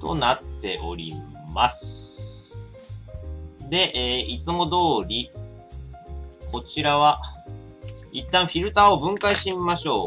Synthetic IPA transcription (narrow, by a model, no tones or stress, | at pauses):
t̪o̞̰nat̪ːe̞̰ʔo̞̰ɾʲḭ | masɨ̥ | d̪e̞ʔeːit͡sɨmo̞d̪o̞ːɾʲi | kʰo̞t͡ɕiɾaβa | it̪ːãɰ̃ɸʲiɾɯ̟t̪aːobɯ̟̃ŋkaiɕimaɕo̞ː